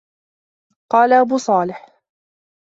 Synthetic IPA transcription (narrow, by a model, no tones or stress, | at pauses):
qɑːlaʔabuːsˤɑːlɪħ